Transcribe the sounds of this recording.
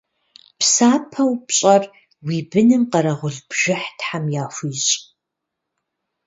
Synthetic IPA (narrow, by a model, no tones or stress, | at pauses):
psaːpʰɐwpɕʼɐr | wiːbɨnɨmqɐɾɐʁʷʊɮbʒ̥ɪħtħamjaːxʷiːɕʼ